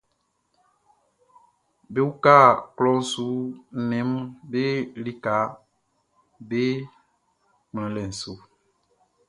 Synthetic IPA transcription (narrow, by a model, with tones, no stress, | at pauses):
be˦wu˦ka˦˨klɔ˦su˨˦nɛ̃˨˦mbe˦li˦ka˨˦ | be˦ | mlɛ̃˨˦lɛ˨n̩˨su˨˦